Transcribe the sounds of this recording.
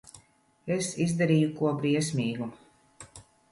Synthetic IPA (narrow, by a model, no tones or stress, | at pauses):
esizd̪aɾiːjukuɔbɾiɛsʲmʲiːɡu